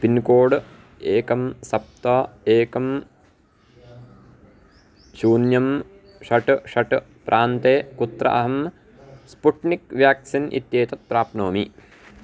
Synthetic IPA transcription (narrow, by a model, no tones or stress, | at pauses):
pinkoːɽ | eːkɐmsɐp̚t̪ɐːeːkɐm | ʃuːnjɐm | ʂɐʈʂɐʈ | pɾʔaːnt̪eːkut̪ɾɐ̰ʔɐɦɐm | spuʈnikʋjaːksinʔḭt̪jeːt̪ɐt̪̚pɾaːpnoːmi